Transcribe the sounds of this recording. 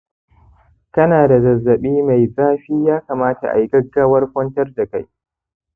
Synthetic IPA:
kɐ˦naː˨da˨zɐ˨zːɐ˨ɓiː˦ma˨jzaː˦ɸiː˦jaː˦kaː˨maː˦ta̰˨ʔa̰˨jɡɐ˦ɡːaː˦wɐ˦rkʷɔ˦ntɐ˦rda˨ka˦j

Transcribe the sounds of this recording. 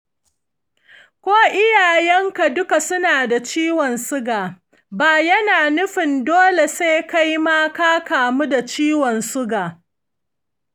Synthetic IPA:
kʷoː˦ʔɪ˦jaː˨jɛ˦ŋka˨dʊ˦ka˨sʊ˦naː˨da˨t͡ʃiː˦wɔ˨nsʊ˦ɡaː˨ | baː˨jɐ˦naː˨nʊ˦ɸɪ˨ndoː˦le˨seː˦ka˦ji˦maː˦kaː˦kaː˨mu˦da˨t͡ʃiː˦wɔ˨nsʊ˦ɡaː˨

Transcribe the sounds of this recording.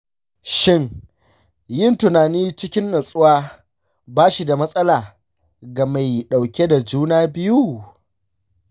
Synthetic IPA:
ʃɪ˦˨ŋ | jɪ˦ntʊ˨naː˨niː˦t͡ʃɪ˦kʲɪ˦nːɐ˨sʼʊ˦waː˦ | baː˦ʃi˨da˨mɐ˦sʼɐ˦laː˨ | ɡa˨ma˨jɗa˨wkʲe˦da˨d͡ʒuː˦naː˦bɪ˦ju˦

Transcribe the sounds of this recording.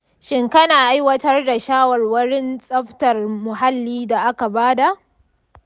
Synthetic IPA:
ʃɪ˦ŋkɐ˦naː˨ʔa˦jwɐ˦tɐ˦rda˨ʃaː˦wɐ˨rwɐ˦ɽɪ˦nsʼɐ˦ɸtɐ˨rmʊ˨ɦa˦lːiː˦da˨ʔa˦ka˨baː˦da˨ʔ

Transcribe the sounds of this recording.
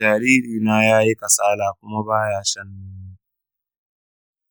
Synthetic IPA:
aː˨ɾiː˦ɾiː˨naː˦jaː˦ji˦ka˨saː˦laː˨kʷʊ˦ma˦baː˦jaː˦ʃɐ˦nːuː˦muː˦

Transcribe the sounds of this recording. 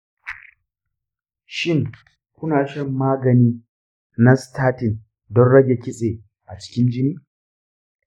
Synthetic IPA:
ʃɪ˦ŋ | kʷʊ˦naː˨ʃɐ˦mːaː˦ɡɐ˨niː˦ | na˦stʰaː˦tɪ˨n | dɔ˦nɽɐ˦ɡʲe˨kʲɪ˦sʼeː˨ | ʔa˨t͡ʃɪ̥˦kʲɪ˦nd͡ʒɪ˦niː˦

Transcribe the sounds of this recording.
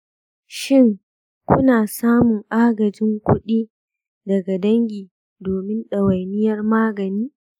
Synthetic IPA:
ʃɪ˦ŋ | kʷʊ˦naː˨saː˦mʊ˨ŋʔaː˦ɡɐ˨d͡ʒɪ˦ŋkʷʊ˦ɗiː˦ | dɐ˨ɡa˨dɐ˦ŋɡʲiː˨ | doː˨mɪ˦nɗɐ˨wɐ˨jnɪ˦jɐ˦rmaː˦ɡɐ˨niː˦

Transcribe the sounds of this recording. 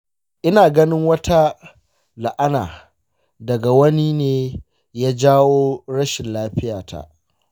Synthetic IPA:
ʔɪ˦naː˨ɡɐ˦nɪ˦ŋwɐ˦tʰa˦ | la˨ʔa˦naː˨ | dɐ˨ɡa˨wɐ˦ni˦neː˦ | jaː˦d͡ʒaː˦woː˦ɽɐ˦ʃɪ˨nlaː˦ɸɪ˦jaː˨tʰa̰˦ʔ

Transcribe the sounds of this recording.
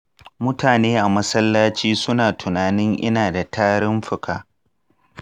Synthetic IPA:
mʊ˦tʰaː˨neː˦ʔa˨mɐ˦sɐ˦lːaː˦t͡ʃiː˦sʊ˦naː˨tʰʊ˨naː˨nɪ˦ŋʔɪ̰˦naː˨da˨tʰaː˦ɽɪ˦mɸɪ˨kʰaː˨

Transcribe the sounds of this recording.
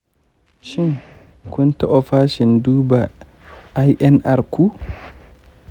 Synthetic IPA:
ʃi˦n | ku˦nta˨ʔɔfaː˦ʃi˨nduːbaː | jʔɛ˦nʔa˨ɾku˦

